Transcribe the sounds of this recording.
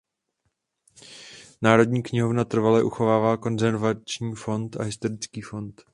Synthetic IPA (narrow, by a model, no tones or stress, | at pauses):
naːɾo̞dɲiːkɲɪɦo̞vnat̪r̩valɛʔuxo̞vaːvaːko̞nzɛɾvat͡ʃɲiːfo̞nt̪a̰ɦɪst̪o̞ɾɪt͡skiːfo̞nt̪